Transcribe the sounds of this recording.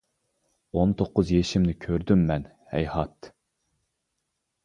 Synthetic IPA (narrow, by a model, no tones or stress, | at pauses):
ont̪ʰoqːʊzjeʃimnɪkʲʰøɾd̪ymːɛn | hɛ̰jhɑt̪